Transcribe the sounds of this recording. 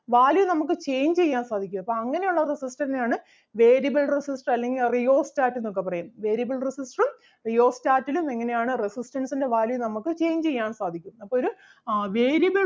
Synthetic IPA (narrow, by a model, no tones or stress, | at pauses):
ʋaːljunɐmuk̬ːɨt͡ɕe̞jɲt͡ɕe̞jːaːnsaːd̪ʱikʲːumɐpːoːɐŋːɐne̞juɭːɐresistɐnaːɳɨ | ʋe̞ːɾiɐbɐlresisʈrɐlːe̞ŋɡilrijo̞ːstaːtːenːokːepːɐrɐjumʋe̞ːɾjɐbɐlresisʈrum | rijo̞ːstaːtːilume̞ŋːɐne̞jaːɳɨresistɐnsinde̞ʋaːljunɐmukːɨt͡ɕe̞ːjɲt͡ɕe̞jːaːnsaːd̪ʱikʲːumɐpːoːoɾu | ʋeːɾijɐbɐ